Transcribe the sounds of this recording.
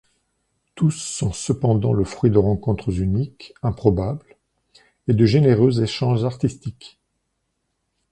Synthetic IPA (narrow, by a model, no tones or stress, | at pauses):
t̪usːɔ̃səpɑ̃d̪ɑ̰̃ləfχɥid̪əʁɑ̃kɔ̃t̪χəzynikɛ̃pχɔbabl | ed̪əʒeneʁøzeʃɑ̃ʒaʁt̪ist̪ik